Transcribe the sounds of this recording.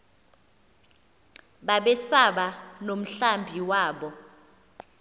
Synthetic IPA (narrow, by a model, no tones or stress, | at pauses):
ɓaɓɛsaɓanom̩ɬambʱiwaːɓɔ